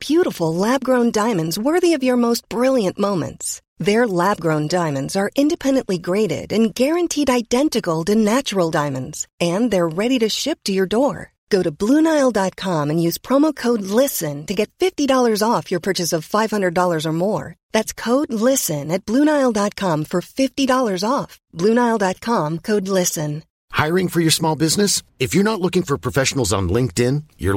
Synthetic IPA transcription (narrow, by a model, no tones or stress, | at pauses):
b̥jʉɾəfl̩ˠlæb̚ɡɹõʊ̃ndãɪ̃mɨ̃ndzwɜ˞ðiʌvjə˞moʊst̚b̥ɹɪlˠjɨ̃nmõʊ̃mɨ̰̃nts | ðə˞læb̚ɡɹõʊ̃ndãɪ̃mɨ̃ndzə˞ʔɪ̃ndɨpʰɛ̃ndɨ̃nʔliɡɹeɪɾɪ̰ɾɨ̃nɡɛɹɨ̃ntʰiɾaɪdɛ̃ntɨkl̩ˠtɨnæt͡ʃə˞l̩ˠdãɪ̃mɨ̃ndz̥ɨ̃nðə˞ɹɛɾiɾɨʃɪp̚tʰɨjə˞dɔɹ | ɡ̥oʊɾɨblũnaɪlˠdɑt̚kʰɑ̃mɨ̃njʉz̥pʰɹ̥ɑmoʊkʰoʊdˡlɪsɨ̃ntɨɡɛtfɪftidɔlˠə˞zɔfjə˞pʰɜ˞t͡ʃɨsʌv̥faɪv̥hʌ̃ndɹɨdɔlˠə˞zə˞mɔɹðætskʰoʊdˡlɪsɨ̃nɨt̚b̥lũnaɪlˠdɑt̚kʰɑ̃ɱfə˞fɪftidɔlˠə˞zɔfb̥lʉnaɪlˠdɑt̚kʰɑ̃mkʰoʊdˡlɪsɨ̃n | haɪɹɪ̃ŋfə˞jə˞smɔlˠbɪznɨsɨfjə˞nətˡlʊkɪ̃ŋfə˞pʰɹ̥ɔfɛʃn̩l̩ˠzn̩lɪ̃ŋk̚tɪ̃njə̰˞